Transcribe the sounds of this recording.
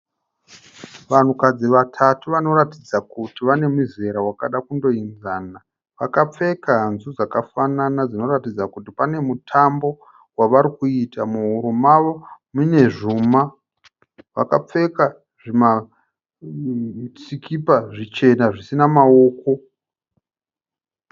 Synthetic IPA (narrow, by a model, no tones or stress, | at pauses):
ʋan̤ukad͡ziʋatʰatuʋano̞ɾatid͡zakutiʋane̞muze̞ɾawakaɗakundo̞inzaːna | ʋakap͡fe̞kaɦanzud͡zakafananad͡zino̞ratid͡zakutipane̞mutʰambo̞ | waʋaɾikuitamuɦuɾumaʋo̞mune̞ʐuːma | ʋa̰kap͡fe̞ka | ʐima | t͡sikipaʐit͡ʃe̞naʐisinamao̞ːko̞